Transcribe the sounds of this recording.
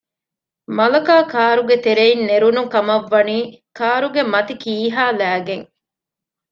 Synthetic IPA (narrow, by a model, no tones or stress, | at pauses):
mɐlɐkaːkaːɾuɡet̪eɾeinːeɾunukɐmɐʋːɐniːkaːɾuɡemɐt̪ikiːɦaːlæːɡeŋ